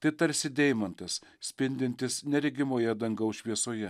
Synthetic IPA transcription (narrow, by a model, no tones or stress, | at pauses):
t̪ɐɪt̪ɐɾʲsʲɪd̪ʲɛɪmɐnt̪ɐssʲpʲɪnʲd̪ʲɪnʲt̪ʲɪsnʲɛɾʲɪɡʲɪmoːjɛd̪ɐŋɡɐʊʃʲʋʲiɛsoːjɛ